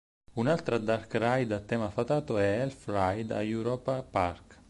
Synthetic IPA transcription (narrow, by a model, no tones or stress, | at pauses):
unalt̪ɾad̪aɾkɾajd̪at̪ːɛmafat̪aːt̪oɛɛlfɾajd̪a̰juɾɔpapaɾk